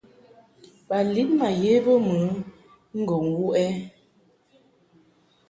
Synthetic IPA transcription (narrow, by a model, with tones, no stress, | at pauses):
ba˨li˦t̚ma˨je˨˦bə˦mə˨˦ | ŋ̩˦ɡɔ˨ŋwu˦ʔɛ˦